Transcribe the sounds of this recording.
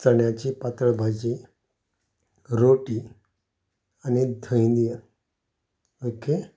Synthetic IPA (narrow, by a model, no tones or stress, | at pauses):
t͡səɳjat͡ɕiːpat̪əɭbʱajt͡ɕi | ɾoʈiː | anid̪ʱəj̃nd̪ija | oke